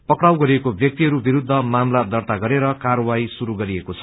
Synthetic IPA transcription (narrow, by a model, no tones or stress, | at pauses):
pʌkɽawɡʌɾiekobjʌk̚t̪iɦʌɾubiɾud̪ʱːʌmamlad̪ʌrt̪aɡʌɾeɾʌkarʌwajsuɾuɡʌɾiekot͡sʰʌ̥